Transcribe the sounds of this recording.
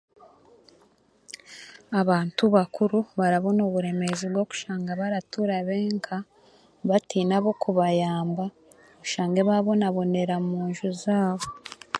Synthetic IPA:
aβaːntuβakʰuɾuβaɾaβo̞noβuɾe̞me̞zibɡoku̥ʃaːŋɡaβaɾatuɾaβe̞ːŋkʰa | βatiːnaβo̞kuβajaːmba | oβuʃaːŋɡeβaβo̞naβo̞ne̞ɾamuːɲʒuzaːβo̞

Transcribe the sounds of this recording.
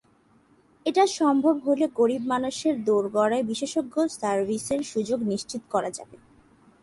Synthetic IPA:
eʈaʃɔmbʱobɦoleɡoɾibmanuʃeɾd̪oɾɡɔɽaebiʃeʃoɡːosaɾbiseɾʃud͡ʑoɡniʃt͡ɕit̪o̥kɔɾad͡ʑa̰be

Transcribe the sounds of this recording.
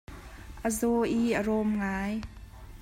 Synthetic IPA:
ʔəzɔʔiʔərɔmŋaːj

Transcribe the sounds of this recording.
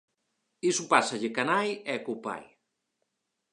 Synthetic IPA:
isupasaʎɪkanajɛkopa̰j

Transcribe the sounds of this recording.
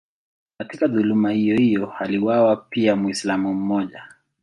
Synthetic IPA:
katikaðulumahijɔhijɔhaliwawapiamwislamum̩mɔʄa

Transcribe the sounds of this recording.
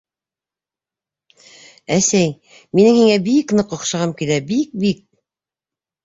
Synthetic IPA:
æsæj | minɘŋhiŋæbiknɤqŏqʃɑʁɑmkilæbik̚bik̚

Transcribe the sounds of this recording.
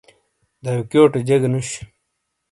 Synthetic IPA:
d̪ajukjoːʈed͡ʑeɡnuɕ

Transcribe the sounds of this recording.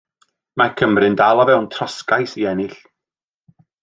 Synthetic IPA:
makʰəmrɨndalˠavɛwntʰrɔskajsiɛnɪɬ

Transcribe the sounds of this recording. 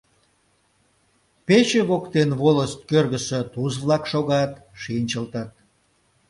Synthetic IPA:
pet͡ɕeβokt̪enβoləst̪̚kørɣəset̪uzβlɑkʃoɣɑt̪ʃinʲt͡ɕəlt̪ət̪̚

